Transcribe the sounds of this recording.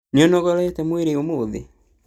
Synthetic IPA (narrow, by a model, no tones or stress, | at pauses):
nɔnɔɣɔɾɛetɛmweɾeomoðḛ